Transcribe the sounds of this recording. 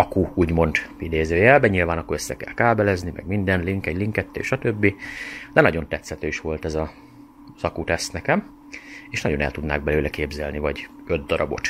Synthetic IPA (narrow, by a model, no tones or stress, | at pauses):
ɒkuuːɟmo̞nt̪id̪eːzøːjɛlbɛɲilvaːnɒkːoɾøsːɛkɛ̰lkaːbɛlɛznimɛ̰ɡmind̪ɛnliŋkɛɟliŋkɛt̪ːḛːʃɒt̪øbːid̪ɛnɒɟo̞nt̪ɛt̪sɛt̪øːiʃʋo̞lt̪ɛzɒ | zɒkut̪ɛst̪nɛkɛm | eːʃnɒɟo̞nɛ̰lt̪ud̪na̰ːɡ̚bɛløːlɛkeːbzɛlnivɒɟød̪̚ːɒɾɒbo̞̰t̪